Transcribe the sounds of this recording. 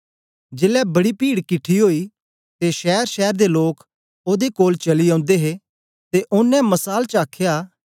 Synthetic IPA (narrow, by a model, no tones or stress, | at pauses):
d͡ʒeːlɛbɐɽipiːɽkɪʈʰːiɦoːi | t̪eʃɛːɾʃɛːɾd̪eloːk | oːd̪ekoːlt͡ʃɐliãːʊ̃nd̪eɦe | t̪eʔʊnːɛ̃mɐsaːlt͡ʃaːkʰjaː